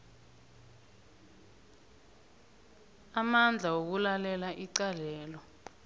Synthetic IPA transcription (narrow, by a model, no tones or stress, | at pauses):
amand͡ɮʱawok̬ulalɛlaʔiǀalɛːlɔ